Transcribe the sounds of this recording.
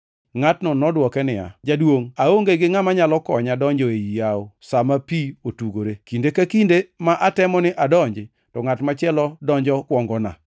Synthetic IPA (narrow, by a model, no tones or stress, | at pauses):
ŋatnɔnɔdwɔkɛnɪa̰d͡ʒadwoŋaoŋɡeɡɪŋamaɲalɔkɔɲadɔɲd͡ʒɔejijaosamapiotuɡoɾekindekakindemaʔatɛmɔnɪʔadɔɲd͡ʒɪ | tɔŋatmat͡ʃɛlɔdɔɲd͡ʒɔkwɔŋɡɔna̰